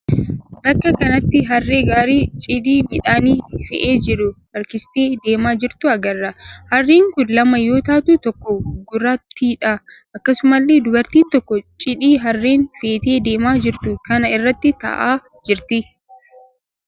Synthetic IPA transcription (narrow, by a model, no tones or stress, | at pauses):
bɐkːɐkɐnɐt̪ːɪɦɐrːe̞ːɡaːɾiːt͡ʃʼɪd̪iːmɪᶑaːniːfɛ̰ʔeːd͡ʒɪɾʊ | ɐɾkɪst̪e̞ːd̪e̞ːmaːd͡ʒɪɾt̪ʊɐɡɐrːɐhɐrːeːŋkʊnlɐmɐjo̞ːt̪aːt̪uːt̪ɔkːɔɡʊrːaːt̪ːiːᶑɐ | ʔɐkːɐsʊmɐlːeːd̪ʊbɐɾt̪iːnt̪ɔkːɔt͡ʃʼɪᶑiːɦɐrːeːnfe̞ːt̪e̞ːd̪e̞ːmaːd͡ʒɪɾt̪ʊkɐnɐɪrːɐt̪ːɪt̪ɐ̰ʔaː | d͡ʒɪɾt̪ɪ